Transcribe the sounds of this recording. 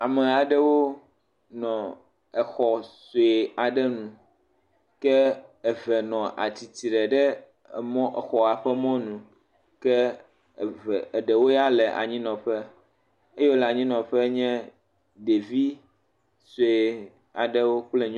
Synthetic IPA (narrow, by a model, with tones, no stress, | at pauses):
a˨mɛ˨a˨ɖɛ˦wo˦ | nɔ̃˨ | ɛ˨xɔ˨so˨e˨a˨ɖɛ˦nũ˨ | kɛ˦ɛ˨vɛ˨nɔ̃˨ʔa̰˨t̪i˨t̪i˨ɖɛ˨ɖɛ˦˨ | mɔ̃˦ʔxɔ˨a˨ɸɛ˦mɔ̃˦nũ˨ | kɛ˦˨ | ɛ˨ɖɛ˨wo˦ja˦lɛ˨ʔa̰˨ɲĩ˦nɔ̃˨ɸɛ˦ | e˦jo˦lɛ˨a˨ɲĩ˦nɔ̃˨ɸɛ˦ɲɛ̃˦ | ɖe˨vi˦ | so˨e˨ | a˨ɖɛ˦wo˦k͡plɛ˦ɲ